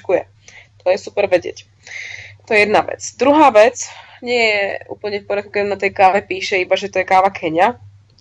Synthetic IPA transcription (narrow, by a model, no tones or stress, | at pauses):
kujɛ̰ | t̪ɔjɛsupɛɾʋɛɟɪɛ̰c | t̪ɔjɛjɛd̪naʋɛ̰t͡sd̪ɾuɦaːʋɛt͡s | ɲɪɛjɛṵːpl̩ɲɛfpɔɾɪat̪̚kukɛanat̪ɛjkaːʋɛpiːʃɛibaʒɛt̪ɔjɛkaːʋakʰɛɲa